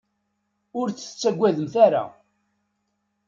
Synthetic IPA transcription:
ʊɾt͡sːə̥t͡sːæɡʷːæðəmθaɾa̰

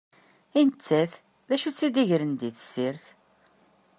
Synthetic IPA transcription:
int͡sːæθ | ðæʃut͡sːid̪iʝɾənd̪iθə̥siɾθ

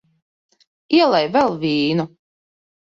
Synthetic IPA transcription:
iɛlˠajvɛlˠvʲiːnu

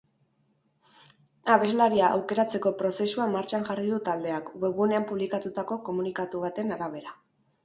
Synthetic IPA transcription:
aβe̞zlaɾiaʔa̰wke̞ɾat͡se̞ko̞pɾo̞se̞suamaɾt͡ʃanʝariðut̪ald̪e̞akbeβune̞ampuβ̞likat̪ut̪ako̞ko̞munikat̪uβ̞at̪e̞naɾaβ̞e̞ɾa

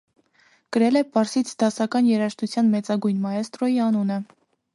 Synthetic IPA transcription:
kəɾɛlɛpɑɾsit͡sʰd̪ɑsɑkɑnjɛɾɑʃt̪ut͡sʰjɑnmɛt͡sɑɡujnmɑjɛst̪ɾɔjiɑnunə

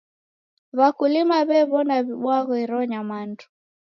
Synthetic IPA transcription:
βakulimaβɛβɔnaβiɓwaɣɔiɾɔɲamandu

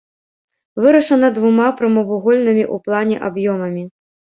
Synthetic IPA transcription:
vɨɾɐʂɐnɐd̪vumapɾɐmɐvuɣɔlʲnɨmʲiʔuplˠanʲɛ̰ʔabjɔmɐmʲi

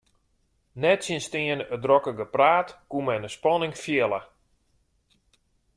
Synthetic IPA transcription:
nɛtsinstɪənədrɔkəɡəpraːtkumɛnəspɔnɪŋfjɪlə

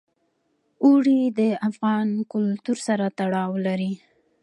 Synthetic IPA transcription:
uɽid̪əafɣɑnkʊlt̪uɾsaɾat̪aɽɑwlaɾi

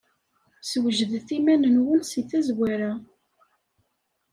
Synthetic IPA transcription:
swəʒðθimænənwənsiθæzwæɾa

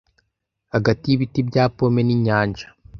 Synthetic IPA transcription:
haɡatijiβitibɟaːpomeniɲaːɲd͡ʒa

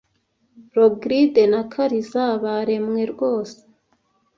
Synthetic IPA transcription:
ɾoɡɾide̞nakʰaɾizaβaɾemŋe̞ɾɡʷo̞ːse̥

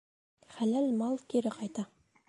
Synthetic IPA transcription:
χælælmɑlˠkʲʰeɾɪqʰɑjt̪ɑ

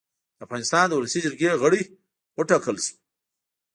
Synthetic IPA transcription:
d̪̥əafɣɑnɪst̪ɑnd̪əwulasid͡ʒɪɾɡeɣəɽi | wəʈakəlʃi̥

